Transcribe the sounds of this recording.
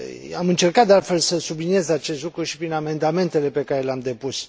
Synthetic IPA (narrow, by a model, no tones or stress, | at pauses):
amɨnt͡ʃe̞rkat̪̚d̪ealt̪fe̞lsəsublinije̞zat͡ʃe̞st̪lukɾuʃi̥pɾiname̞nd̪ame̞nt̪e̞le̞pe̞kaɾe̞leamd̪e̞pus